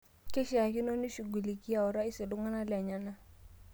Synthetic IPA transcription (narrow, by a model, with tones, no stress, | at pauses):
kɪ˦ʃa˨kɪ˦nɔ˦ni˦ʃu˨ɡu˨li˨ki˦a˨ɔ˨ɾa˦ɪ˦sɪ˨lʊ˦ŋa˦na˦lɛ˨ɲa˨na˦